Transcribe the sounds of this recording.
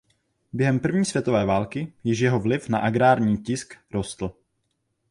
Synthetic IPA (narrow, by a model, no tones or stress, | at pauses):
bjɛɦɛmpr̩vɲiːsvjɛt̪ovɛːvaːlkɪjɪʃjɛɦovlɪfna̰ʔaɡɾaːɾɲiːcɪskɾost̪l̩